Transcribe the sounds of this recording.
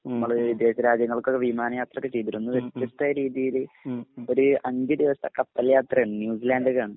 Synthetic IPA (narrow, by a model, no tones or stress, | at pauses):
nɐmːɐɭid̪e̞ːɕɐɾaːd͡ʑɐŋːɐɭkokːeʋimaːnɐjaːt̪rɐkːɨt͡ɕejt̪iʈːunːuʋet̪ːjɐst̪ɐɾiːðijil | o̞ɾuʔɐɲd͡ʑɨd̪iʋɐsɐkɐt̪ːɐljaːt̪rɐjaːɳɨnjuːsilaːndɨkːaːɳɨ